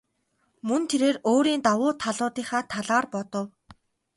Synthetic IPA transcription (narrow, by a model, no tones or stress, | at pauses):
mɵnt̪ʰeɾeːroːɾiːnt̪awʊːt̪ʰaɮʊːt̪iːχaːt̪ʰaɮaːrpɔt̪ɞ̆w